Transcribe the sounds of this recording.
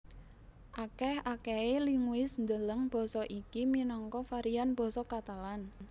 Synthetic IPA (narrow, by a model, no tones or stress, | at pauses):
ʔakɛhakɛeliŋuɪsnd̪ələŋb̥ɔ̤sɔʔikiminɔŋkɔfaɾianb̥ɔ̤sɔkat̪alan